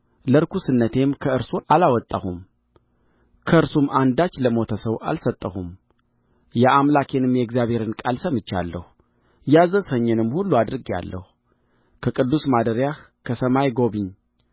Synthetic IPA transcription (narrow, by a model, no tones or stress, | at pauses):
ləɾkʰusɨnːət̪ʰe̞mkʰəɨɾsualawɔt̪ʼːahum | kʰəɨɾsumʔand̪at͡ʃːləmo̞t̪ʰəsəβʔa̰lsət̪ʼːəhum | jɛamlakʰe̞nɨmjɛɡzijaβhe̞ɾɨnkʼalsəmɨt͡ʃːa̰lːəhu | jazəshəɲːɨnɨmːhulːuad̪ɨɾɨɡja̰lːə̰hu | kʰəkʼɨd̪ːusmad̪əɾjah | kʰəsəmajɡo̞βɨɲ